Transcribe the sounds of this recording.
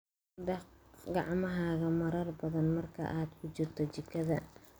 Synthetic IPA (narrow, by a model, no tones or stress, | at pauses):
d̪ɐqɡɑʕmɐɦaːɣɐmɐɾɐrbɐðɐnmɐrkʰɐ̰ʔaːd̪kʰʊt͡ʃɪrt̪ʰɔt͡ʃɪkʰːɐðɐ